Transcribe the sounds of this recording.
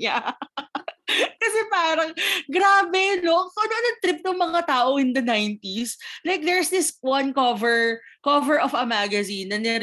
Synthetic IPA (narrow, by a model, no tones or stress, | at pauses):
a | kɐsɛpaːɾɐŋɡɾaːbɛnokoʔɐnoʔɐnɐt̪ɾɪp̚nʊŋmɐŋat̪aːʔoʔɪ̃nd̪ɐnajnt̪islajk̚d̪ɛɹsd̪ɪswɐnkɔvɛɹkɔvɛɹʔɔvɐmaɡɐzinːɐnɛɾ